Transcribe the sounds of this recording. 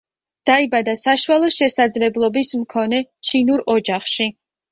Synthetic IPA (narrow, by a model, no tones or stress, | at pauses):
d̪̥aibad̪asaʃwalˠɔʃɛsad̪zlɛblˠɔbismkʰɔnɛt͡ʃʰinuɾɔd͡ʒaχʃi